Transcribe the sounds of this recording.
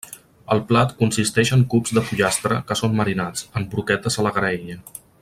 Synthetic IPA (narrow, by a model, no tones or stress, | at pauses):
əlˠplat̪kunsist̪ɛʃəŋkupzd̪əfuʎast̪ɾəkəsomməɾinat͡səmbɾukɛt̪əzələɣɾeʎə